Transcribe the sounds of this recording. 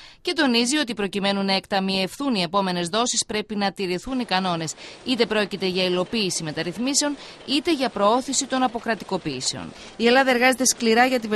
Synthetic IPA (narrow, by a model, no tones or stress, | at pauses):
ce̞t̪o̞nizio̞t̪̬ipɾo̞cime̞nunɐekt̪ɐmiefθunie̞po̞me̞ne̞zðo̞sispɾe̞pinɐt̪iɾiθunikɐno̞ne̞sit̪e̞pɾo̞cit̪e̞ʝɐilo̞piːsime̞t̪ɐɾiθmise̞o̞n | it̪e̞ʝɐpɾo̞o̞θisit̪o̞nɐpo̞kɾɐt̪iko̞piːse̞o̞̰n | ie̞lɐðɐe̞ɾɣɐze̞t̪e̞skliɾɐʝɐt̪iv